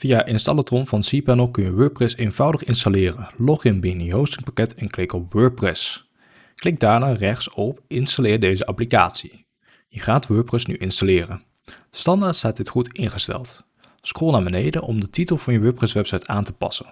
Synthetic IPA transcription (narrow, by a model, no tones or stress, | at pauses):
v̥ijaʔɪnstɑlətɔnvɑnsipɛnəlˠkɵnjəʋøːɹ̚prɛsejnv̥ɑwdəχɪnstalɪːrənlɔχənbiniɦowstɪŋpakɛtɛnklɪkɔpʋøːɹprɛs | klɪk̚daːɹnaːrɛχtsɔpɪnstalɪːɹdejzəʔɑplika̰ːtsi | jəχaːtʋøːɹprɛsnyʔɪnstalɪːrən | stɑndaːɹtstaːt̚dɪtχutɪnχəstɛ̰lˠt | skoːlˠnaːbənejdənʔɔmdətitəlˠv̥ɑnjəʋøːɹprɛsʋɛpsɑjtaːntəpɑ̰sən